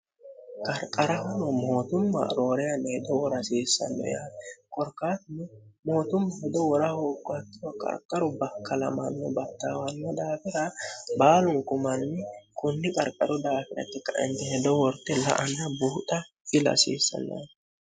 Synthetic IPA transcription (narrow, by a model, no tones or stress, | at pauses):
kʼɐɾkʼɐɾɐhɐnɔmo̞ːt̪ʊmːɐ̰ɾoːɾɛjɐnːhɛd̪ɔwɔɾɐsiːsːɐ̰nːɔ̰jaːkʼɔɾkaːt̪ɪnɛmo̞ːt̪ʊmːɐhɛd̪ɔwɔɾɐhoːkʼːɔɐt̪ːɪwɔkʼɐ̰ɾkʼːɐɾʊbɐkːɐlɐ̰mɐnːɔbɐt̪ːaːwɐnːɛd̪aːfɪɾɐbaːlʊŋkʊmɐnːɪkʊnːɪkʼɐɾkʼːɐɾʊd̪aːfɪɾɐ̰t̪ːɪkːɐʔɛ̰nt̪ɛhɛd̪ɔwɔɾt̪ːɛlɐ̰ʔɐnːɐbuːt̪ʼɐ | ɪlɐ̰sḭːsːɐ̰nːɔ̰j